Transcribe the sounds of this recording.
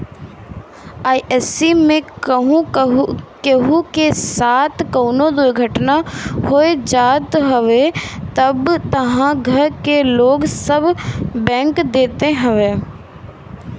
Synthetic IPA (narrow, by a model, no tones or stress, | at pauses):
aːiʔesimẽkəɦũ | keɦũkesaːt̪ʰkəːnod̪ʊjɡʱəʈnahoed͡ʒaːt̪ɦəʋet̪əbt̪əɦãɡʱəɾkeloːɡsəbbɛ̃ːŋkd̪eːt̪eɦəʋeː